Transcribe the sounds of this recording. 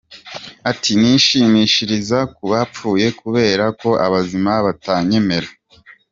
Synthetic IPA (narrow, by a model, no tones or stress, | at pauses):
atʰiniːʃiːmiʃiɾizakuβap͡fuːje̞kuβe̞ːɾako̞ʔaβazimaβataɲe̞me̞ɾa